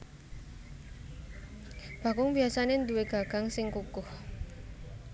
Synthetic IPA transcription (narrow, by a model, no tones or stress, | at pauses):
b̥a̤kʊŋbiasanend̪uweɡ̥aɡ̥a̤ŋsɪŋkukʊh